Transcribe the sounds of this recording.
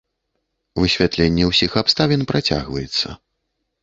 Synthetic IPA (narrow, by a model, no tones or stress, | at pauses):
vɨsʲvʲat̪lʲenʲːɛwsʲixapst̪avʲɛnpɾat͡sʲa̰ɣvɐjɛt̪sːɐ̰